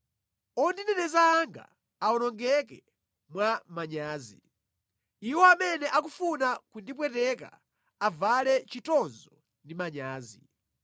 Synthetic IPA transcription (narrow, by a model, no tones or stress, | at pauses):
ɔndinɛnɛzaːŋɡa̰ | aɔnɔŋɡɛk̬ɛ | mwamaɲaːzḭ | iwɔamɛnɛʔak̬ufunakundip̬wɛtɛka̰ | avalɛt͡ʃitɔnzɔ | ndimaɲaːzi